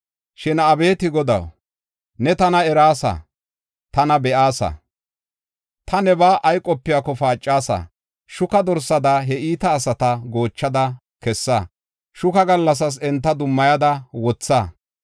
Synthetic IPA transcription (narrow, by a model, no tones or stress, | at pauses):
ʃɪnɐbe̞ːt̪ɪɡɔd̪ɐ̰w | nɛt̪ɐnɐɛɾaːsɐ̰ | t̪ɐnɐbɛʔaːsɐ̰ | t̪ɐnɛbaːʔɐjkʼɔpːɪjaːkɔfaːt͡ʃʼːaːsɐ̰ | ʃʊkɐd̪ɔɾsɐd̪ɐɦɛiːt̪ɐːsɐt̪ɐɡo̞ːt͡ʃːɐd̪ɐ | kɛsːɐ | ʃʊkɐɡɐlːɐs̬ɐs̬ɛnt̪ːɐd̪ʊmːɐjɐd̪ɐwɔt͡sːa